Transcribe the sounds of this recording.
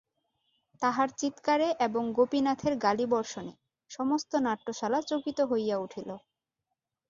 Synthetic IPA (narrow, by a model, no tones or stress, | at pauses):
t̪aɦaɾt͡ɕit̪kaɾeʔeboŋɡopinat̪ʰeɾɡalibɔɾʃone | ʃɔmost̪onaʈːoʃalat͡ɕokit̪oɦojːauʈʰilo